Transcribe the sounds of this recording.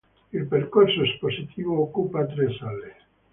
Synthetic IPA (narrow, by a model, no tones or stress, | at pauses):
ilperkorsoesposit̪ʰiːvookːupat̪ɾesale